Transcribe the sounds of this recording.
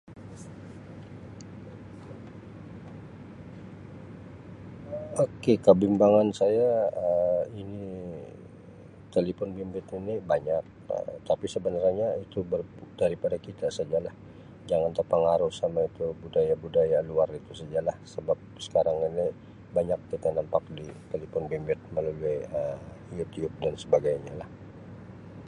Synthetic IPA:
okekəbimbaŋansajaəini | t̪elepɔnbimbɪt̪inibaɲak̚ə̰t̪apisəbənərɲait̪ubərdaɾipadakit̪asad͡ʒalah | d͡ʒaŋant̪ərpəŋaɾʊhsamait̪ubudajabudajaluarit̪usad͡ʒalahsəbap̚sə̥kaɾaŋini | baɲak̚kit̪anampak̚dit̪elipɔnbimbɪt̪̚məluluaəjut̪iub̚dansəbaɡajɲalah

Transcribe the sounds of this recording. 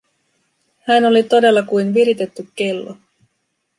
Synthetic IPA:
hæno̞lit̪o̞de̞lːɑkujnʋiɾit̪e̞t̪ːykːe̞lːo̰

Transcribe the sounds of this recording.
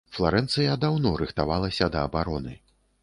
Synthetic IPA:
flˠaɾɛnt̪sɨjad̪awnɔɾɨxt̪avalˠɐsʲɐd̪ɐːbaɾɔnɨ

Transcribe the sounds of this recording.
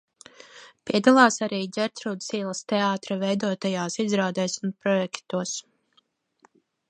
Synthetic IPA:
piɛd̪alˠaːsaɾiːzʲɛɾt̪ɾuːd̪siːlˠɐst̪ɛaːt̪ɾavɛjd̪uɔt̪ajaːsizɾaːd̪ɛːsunpɾɔjɛkt̪uɔs

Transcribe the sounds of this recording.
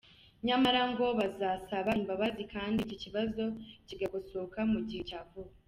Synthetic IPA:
ɲamaɾaŋɡo̞βazasaβaimbaβazikaːndiciciβazo̞ciɡaɡusoːkamuɟihe̞caːvuβa

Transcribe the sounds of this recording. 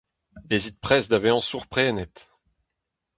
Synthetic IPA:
ezit̪̚pχɛsd̪aveɑ̃suʁpχɛːnɛt̪

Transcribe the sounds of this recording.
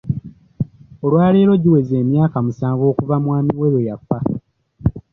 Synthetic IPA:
olwaːleːɾo̞ɟiwe̞ze̞ːmjaːkamusaːɱvo̞ːkuvamwaːmiwe̞ɾojafːa

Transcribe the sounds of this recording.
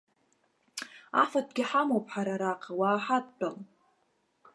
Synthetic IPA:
a̰fat̚ɡʲɪħamowpʰʼħaɾaɾaqʰʼawaːħat̚t͡pʼal

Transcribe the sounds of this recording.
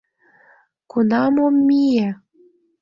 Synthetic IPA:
kunɑmomːijæ

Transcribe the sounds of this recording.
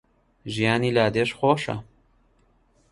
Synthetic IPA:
ʒijaːniːlaːd̪eːʃxoːʃɐ̰

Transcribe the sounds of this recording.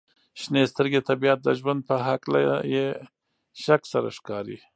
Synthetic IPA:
ʃnest̪əɾɡet̪abijat̪̚d̪əʒwand̪̚pəɦakla̰je | ʃaksaɾa̰ʃkɑɾḭ

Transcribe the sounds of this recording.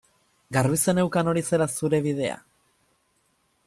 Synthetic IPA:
ɡaɾβise̞ne̞wkano̞ɾise̞ɾasuɾe̞β̞ið̞e̞a̰

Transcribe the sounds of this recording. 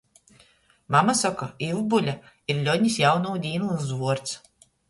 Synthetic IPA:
mamasakɔilbulʲa | iɾlʲɔnʲisjawnɔwd̪ʲiːnulˠsvuɔɾt̪s

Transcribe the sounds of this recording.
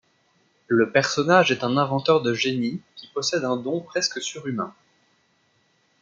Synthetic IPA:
ləpɛʁsɔnaʒɛt̪ɛ̃nɛ̃vɑ̃t̪œʁd̪əʒenikʲipɔsɛd̪ɛ̃d̪ɔ̃pχɛskəsyʁymɛ̃

